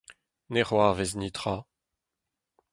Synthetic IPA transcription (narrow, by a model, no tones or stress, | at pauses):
neʁwaːveznit̪ʁa